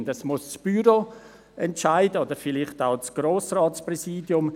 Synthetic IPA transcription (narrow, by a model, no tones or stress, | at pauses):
ndəsmʊst͡sb̥yɾo | ɛntʃaɪdəodəɾfɪlɪχtaʊt͡sɡ̥ɾoːsraːtt͡sprɛsiːdjʊm